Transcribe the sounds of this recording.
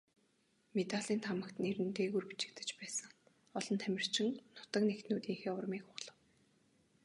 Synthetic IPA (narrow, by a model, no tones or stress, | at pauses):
met̪aɮiːnt̪ʰamə̆kt̪neɾɘ̆nt̪eːɣurpi̥t͡ɕɪ̆k̚t̪ɘ̥̆t͡ɕpæːsə̆ŋ | ɔɮɞ̆nt̪ʰæmʲɪ̆r̥t͡ɕʰɪ̆ŋnʊt̪ə̆knekt̪nuːt̪iːŋxeːʊrmiːkχʊʁɮ̥ə̆w